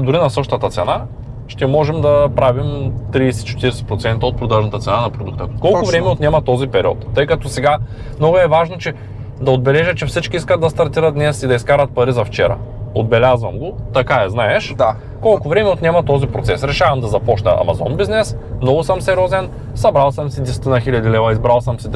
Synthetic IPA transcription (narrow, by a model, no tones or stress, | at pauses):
d̪ʊɾinɐsɤʃt̪ɐt̪ɐt̪sɛna | ʃt̪ɛmɔʒɛmd̪ɐpɾavimt̪ɾiːsɛ̥t͡ʃɛ̥t̪iɾsɛ̥pɾot̪sɛnt̪ɐot̪pɾod̪aʒnt̪ət̪sɛnanɐpɾod̪ukt̪əkɔlˠʊvɾɛmɛot̪nʲɛmɐt̪ɔzipɛɾiɔ̰t̪ːɤjkɐt̪ɔsɛɡa | mnɔɡʊɛvaʒnot͡ʃɛ | d̪ɐod̪̚bɛlɛʒət͡ʃɛfsit͡ʃkiiskət̪d̪d̪ɐst̪ɐɾt̪iɾɐt̪̚d̪nɛsid̪ɐiskaɾɐt̪̚pɐɾizɐft͡ʃɛɾɐ̰od̪bɛlʲazvɐmɡʊt̪ɐkaɛznaɛʃ | kɔlˠkʊvɾɛmɛot̪nʲɛmɐt̪ɔzipɾo̰t̪ɛsɾɛʃavɐmd̪ɐzɐpɔt͡ʃnɐ̰ʔɐ̰mɐ̰zɔnbiznɛs | mnɔvʊsəmsɛɾʲɔzɛn | sɐbɾalˠsəmsid̪ɛsɛ̥t̪inɐxilʲɐd̪ilɛvɐizbɾalˠsəmsi